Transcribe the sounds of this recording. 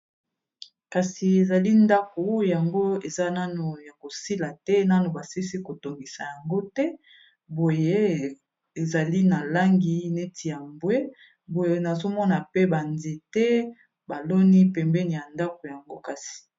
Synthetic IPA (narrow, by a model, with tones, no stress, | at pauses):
ka˨si˨e˨za˨li˦nda˦ko˨ja˨ŋɡo˦e˨za˦na˦no˨ja˨ko˨si˦la˨tɛ˦na˦no˨ba˨si˦si˦ko˨to˨ŋɡi˨sa˨ja˨ŋɡo˦tɛ˦ | bo˨je˦ | e˨za˨li˦na˨la˦ŋɡi˦ne˦tʰi˨ja˨mbwe˦ | bo˨je˨na˨zo˦mɔ˦na˨pɛ˦ba˨nze˨tɛ˦ | ba˨lo˦ni˦pɛ˨mbɛ˦ni˨ja˨nda˦ko˨ja˨ŋɡo˦ka˨si̥˨